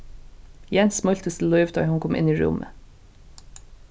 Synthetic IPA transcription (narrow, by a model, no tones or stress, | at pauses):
jɛnsmɔlt̪əst̪ʰl̩lœʏʋd̪ɑɪhʊnkʰɔmʔɪ̰niːɹʊ̰mʔə̰